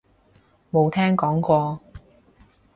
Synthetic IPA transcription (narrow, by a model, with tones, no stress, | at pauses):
mo˨˧wt̪ʰɛː˥ŋkɔː˨˥ŋkɔː˧